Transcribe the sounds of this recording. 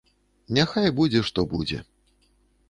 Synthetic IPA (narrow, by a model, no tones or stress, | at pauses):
nʲaxajbud͡zʲɛʂt̪ɔbud͡zʲɛ̰